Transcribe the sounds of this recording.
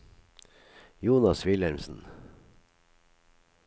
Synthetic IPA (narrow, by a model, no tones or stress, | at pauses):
juːnɑsʋɪlæɾmsn̩